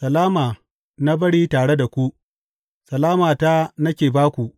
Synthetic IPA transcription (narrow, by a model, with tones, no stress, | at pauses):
sɐ˨laː˦maː˨ | na˦bɐ˦ɽiː˦taː˨ɽe˦da˨kʷu˦ʔ | sɐ˨laː˦maː˨ta˦nɐ˦kʲeː˨baː˦kʷu˨ʔ